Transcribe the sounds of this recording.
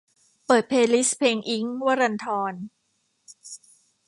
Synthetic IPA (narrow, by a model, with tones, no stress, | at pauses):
pɤː˨˩t̪̚pʰeː˧li˦˥spʰeː˧ŋʔi˦˥ŋwa˦˥ɾa˧nt̪ʰɔː˧n